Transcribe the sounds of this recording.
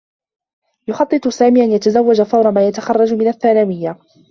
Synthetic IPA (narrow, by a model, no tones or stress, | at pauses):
jʊxɑt̪ˤːɨt̪ˤʊsaːmiːʔanjat̪azawːad͡ʒafɑwɾɑmaːjat̪axɑrˤːɑd͡ʒmɪnaθːaːnaːwɪjːa